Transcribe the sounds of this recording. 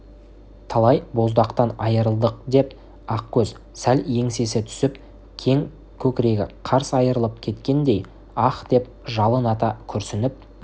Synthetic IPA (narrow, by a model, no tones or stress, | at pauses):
t̪ʰɑlˠɑjbo̞zd̪ɑqt̪ɑnɑjəɾəlˠd̪əq̚d̪e̞p | ɑqkʲʰɵz | sælje̞ŋse̞sɪt̪ʰʏ̥sɪp | kʲʰe̞ŋ | kʲʰɵkʲɪɾe̞ɡʲɪ̰qʰɑɾsɑjəɾəlˠəp̚kʲʰe̞t̪kʲe̞nd̪e̞j | ɑqd̪e̞p̚ | ʒɑlˠənɑt̪ɑkʲʰʏɾsɪnɪp̚